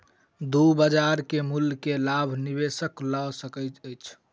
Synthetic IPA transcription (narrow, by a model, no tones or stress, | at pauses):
d̪ubəd͡ʒaɾkemulkelabʱnibesəklasəkəjt̪əjt͡ʃʰ